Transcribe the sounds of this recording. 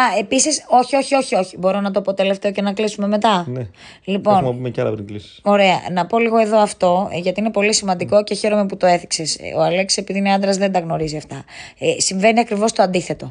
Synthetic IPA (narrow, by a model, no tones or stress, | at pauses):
ɐe̞pisiso̞çio̞çio̞çio̞çibo̞ɾonɐt̪oɐpot̪e̞le̞ft̪e̞oce̞nɐklisume̞me̞t̪ɐne | lipo̞nɐpumecɐlɐpt̪iɡlisi̥o̞ɾe̞ɐ̰nɐpo̞liɣo̞e̞ðo̞ɐft̪o̞ʝɐt̪iine̞po̞lisimɐnd̪iko̞ce̞çe̞ɾome̞put̪o̞e̞θikse̞soɐle̞ksi̥sepiðineɐnd̪ɾɐzðe̞nd̪ɐɣno̞ɾiziɐft̪ɐsiɱve̞niɐkɾivo̞st̪o̞ɐnd̪iθe̞t̪o̞